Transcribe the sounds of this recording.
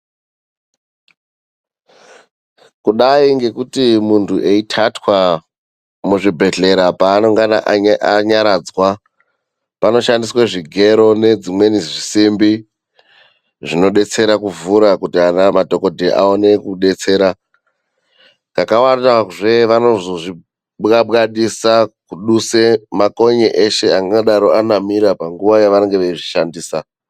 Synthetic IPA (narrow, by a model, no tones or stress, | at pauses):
kuɗaiŋɡe̞kutimuntʰuʔe̞itʰatwa | muʐibʱe̞ɮe̞ɾapaːno̞ŋɡana̰ʔʔaɲaɾad͡zwa | pano̞ʃandiswaʐiɡʱe̞ɾo̞ne̞d͡zimwe̞niʐisimbi | ʐino̞ɗe̞t͡se̞ɾakuvuɾakutianamadʱo̞ko̞dʱeʔa̰o̞ne̞kuɗe̞t͡se̞ːɾa | kakawandaʐeʋano̞ʐoʐi | ɓɣaɓaɗisakuɗuse̞mako̞ɲeʔeʃe̞aŋɡaoɗaɾo̞ʔanamiɾapaŋɡuʋajaʋaɾeŋɡeʋeʐiʃandiːsa